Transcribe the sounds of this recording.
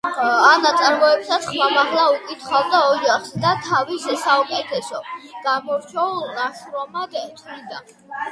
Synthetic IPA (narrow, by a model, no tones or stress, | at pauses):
anat̪sʼaɾmɔɛpsat̪sʰχmamaʁlˠaukʼit̪ʰχalˠd̪aɔd͡ʒaχsd̪at̪ʰavisɛsaukʼɛt̪ʰɛsɔɡ̥amɔɾt͡ʃʰɛulˠnaʃɾɔmaɡ̪ɛt̪ʰnid̪a̰n